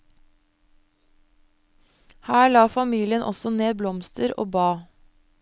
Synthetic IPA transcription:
hæːɭɑːfɑmiːlɪənʔɔ̰sɔneːblɔmst̪əɾo̰ːbɑː

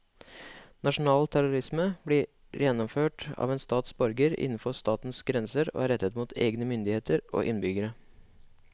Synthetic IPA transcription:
nɑʂʊn̩ɑːlt̪ʰæɾʊɾɪsməbli | jɛnːɔmføːʈɑ̰ːʋeːnst̪ɑːt̪sbɔɾɡəɾɪ̰nːn̩fɔst̪ɑːt̪n̩sɡɾɛnsəɾo̰ːæɾɛt̪ːət̪muːt̪ʰḛːɡnəmʏnd̪ɪheːt̪əɾo̰ːʔɪnbʏɡəɾə

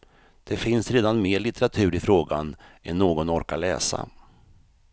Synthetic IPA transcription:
d̪̥ɛfɪnsɾeːd̪anmeːɭɪt̪ɛɾat̪ʰʉ̟ːɾɪfɾoːɡa̰nɛnːoːɡɔnɔɾkalɛ̰ːsa̰

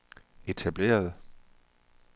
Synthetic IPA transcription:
e̝t͡sʰæb̥le̝̰ːɐð̞ˠ

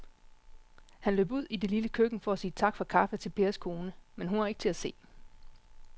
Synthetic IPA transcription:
hænlø̰ːbuð̞̰ˠid̥e̝liləkʰøɡ̥n̩fɒ̽æsiːt͡sʰɑ̈ɡ̥fɒkʰɑ̈fət͡sʰe̝lpʰe̝ːɐskʰo̝ːnəmenɦunhɑ̈e̝ɡ̥ə̥t͡sʰe̝læse̝̰ː

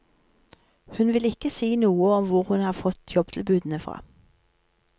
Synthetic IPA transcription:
hʉnʋɪlɪkəsiːnuːəɔmʋʊʁhʉnhɑːfɔt̪ʰjɔb̚t̪ʰɪlbʉːd̪n̩əfʁɑ̰ː

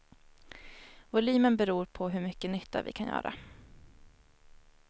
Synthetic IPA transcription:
vʊlyːmənbɛɾuːɾpʰɔɦɵɾmʏkːənʏt̪ʰːa̰vɪ̰kʰanjœ̰ːɾʔa̰

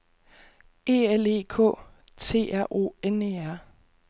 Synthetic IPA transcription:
e̝̰ːele̝̰ːkʰɔ̰̽ː | t͡sʰe̝̰ːæɐ̰ʔo̝̰ːeneæɐ̰

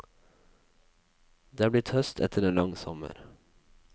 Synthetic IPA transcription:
d̪eːb̪liːt̪hœst̪ʰɛ̰t̪ʰəɾɛnlɑŋsɔmə̰ɾ

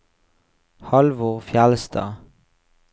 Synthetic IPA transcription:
hɑlʋoːʁfjɛlsd̪ɑ̰ː

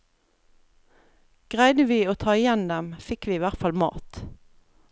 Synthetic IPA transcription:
ɡ̥ʁæɪd̪əʋiːoːt̪ʰɑːɪjɛnd̪ɛmfɪkʋiːiːʋæʁt̪fɑlmɑ̰ːt̪

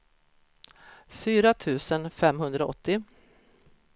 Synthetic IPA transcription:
fyːɾat̪ʰʉ̟ːsənfɛmɦɵnd̪ɾaɔ̰t̪ːɪ

